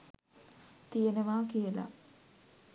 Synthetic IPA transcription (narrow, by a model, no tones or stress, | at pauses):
t̪ijenəʋaːkijela̰